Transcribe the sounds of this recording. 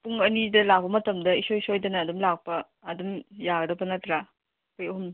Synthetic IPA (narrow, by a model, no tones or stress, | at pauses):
puŋɐnidɐlak̚bɐmɐtɐmdɐisojsojdɐnɐːdumlak̚pɐː | dumjaɡɐdɐpɐnatɾa | kʰojɐɦum